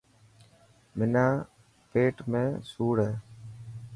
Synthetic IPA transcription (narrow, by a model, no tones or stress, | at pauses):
mɪnaː | peːʈmḛ̃ːsuːɽɦeː